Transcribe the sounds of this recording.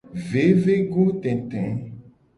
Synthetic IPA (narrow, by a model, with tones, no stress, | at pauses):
ve˨˦ve˦ɡo˦t̪ɛ̃˨t̪ɛ̃˨˦